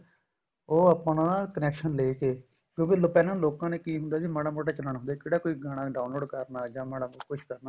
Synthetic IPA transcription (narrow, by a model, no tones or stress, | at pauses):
oːəpɳaːkənɛːkʃənleːkeː | kjõːkeːlopɛːnãːloːkãːneːkiːɦʊnd̪aːsiːmaːɽãmoːʈaːt͡ʃələɳɦʊnd̪aːkeːɽaːkoːiːɡaːɽ̃ãːɖaːnloːɖkəɾnaːd͡ʒãːmaːɽəmkʊʃʰkəɾna